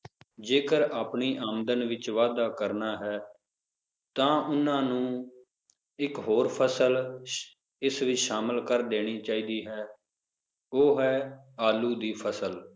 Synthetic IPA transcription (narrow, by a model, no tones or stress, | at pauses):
d͡ʒeːkəɾaːpɳiːʔaːmd̪ənʋɪt͡ʃʋaːd̪aːkəɾnaːɦɛː | t̪ãːʔʊnãːnũː | ɪkɦoːɾpʰəsəl | ɪsʋɪt͡ʃʃaːməlkəɾd̪eːɽ̃iːt͡ʃaːiːd̪iːɦɛː | oːɦɛː | aːluːd̪iːpʰəsəl